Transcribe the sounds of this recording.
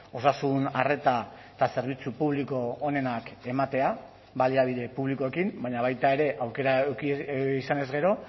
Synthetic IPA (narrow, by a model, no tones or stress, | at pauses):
o̞sasunare̞t̪aet̪ase̞ɾβ̞it͡supuβ̞liko̞ːne̞nake̞mat̪e̞a | βaliaβ̞iðe̞puβliko̞e̞kimbaɲaβ̞ajt̪ae̞ɾe̞ʔawke̞ɾa | isane̞zɣɡe̞ɾo̞